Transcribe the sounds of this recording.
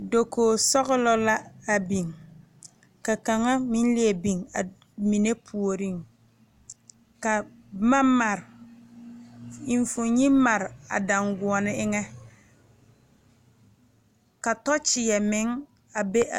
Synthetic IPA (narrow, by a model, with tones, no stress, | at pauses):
do˨koː˨sɔ˦ɣɪ˦lɔ˦la˦a˨bi˨ŋ | ka˨ka˨ŋa˦mɪ˦n˦lɪ˦e˨bi˨ŋa˨ | mi˨ne˦pʰu˨o˨ɾi˦˨ŋ | ka˨ | ma˦ma˨ɾ | i˨ɱ˦fʊ˨ɲi˦ma˨ɾa̰˨da˨ŋɡʊ˨ɔ˨nɪ˦ɪ˦ŋɛ˦ | ka˨tɔ˦t͡ʃɪ˨jɛ˨mɪ˨˦ŋ | a˨be˦ʔa̰˨